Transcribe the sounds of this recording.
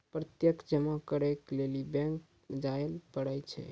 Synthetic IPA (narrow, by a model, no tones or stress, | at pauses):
pɾət̪jəkd͡ʒəmakəɾɛklelibɛ̃ŋk | d͡ʒaelpəɽəjt͡ʃʰɛ̰